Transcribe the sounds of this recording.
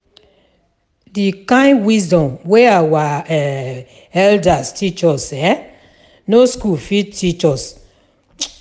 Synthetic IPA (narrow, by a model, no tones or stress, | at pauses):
dikãɪ̃ndwisdɔ̃mweawaɛ | ɛldastʰit͡ʃɔsɛ | noskulfid̚tit͡ʃɔs